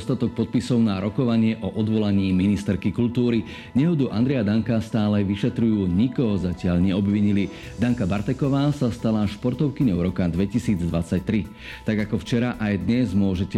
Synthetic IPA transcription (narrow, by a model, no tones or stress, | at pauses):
st̪at̪ɔk̚pɔt̪̚pisɔʊnaɾɔkɔʋaɲɪɛʔɔʔɔd̪ʋɔlaɲiːminist̪ɛɾkikuʎʲt̪uːɾi | ɲɛɦɔd̪uʔa̰nd̪ɾɛjad̪aŋkast̪aːlɛʋiʃɛt̪ɾujuːɲikɔɦɔzacɪaʎɲɛɔbʋiɲili | d̪aŋkabaɾt̪ɛkɔʋaːsast̪alaʃpɔɾt̪ɔʊkiɲɔʊɾɔkad̪ʋɛcisiːd͡zd̪ʋat͡sac̚t̪ɾi | t̪aɡakɔft͡ʃɛɾaʔajd̪ɲɛzmʊɔʒɛc